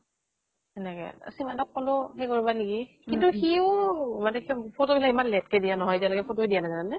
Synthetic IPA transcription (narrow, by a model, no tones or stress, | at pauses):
ɛnɛkɛ̰a̰simadɔkːɔlʊxɛjkoɹibanikikintuxiomanɛxpʰotobilaimanlɛt̚kɛdijanɔɦɔjtialaɡɛpʰotoɛdijanazananɛ